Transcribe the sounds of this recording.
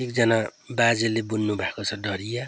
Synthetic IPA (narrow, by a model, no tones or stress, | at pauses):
ekd͡zʌnabad͡zelebunːubʱakot͡sʰʌɖʌɾija